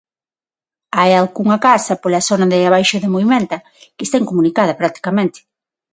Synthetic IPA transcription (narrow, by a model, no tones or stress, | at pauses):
ajalɣuŋɐkasɐpolasonɐðɪaβajʃoðɪmoβimẽnt̪ɐ | kɪest̪eŋkomũnikaðɐpɾat̪i̥kamẽnt̪ɪ̥